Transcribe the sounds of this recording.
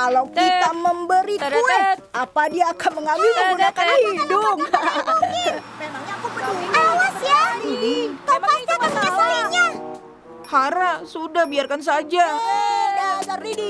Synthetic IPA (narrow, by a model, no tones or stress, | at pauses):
kalawkit̪aməmbəɾit̪uaʔapadiaːkanməŋamisuakaahidʊŋ | awasja | aaaaaaiɲa | haɾasudahbiarkans̬ad͡ʒa